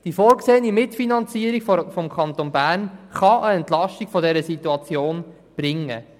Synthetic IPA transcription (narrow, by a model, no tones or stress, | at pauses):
d̥ifoːɾkseːənimɪtfinɑnt͡siːəɾiɡffɔmkʰχɑnt̪onbæːɾnχɑʔəɛnt̪lɑʃtikfɔdɛɾəsit̪uɑt͡sjoːn | b̥ɾɪŋːə̰